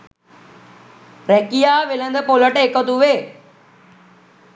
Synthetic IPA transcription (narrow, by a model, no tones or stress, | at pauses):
ɾeːkijaʋɪlə̃nd̪əpoːləʈekət̪uʋeː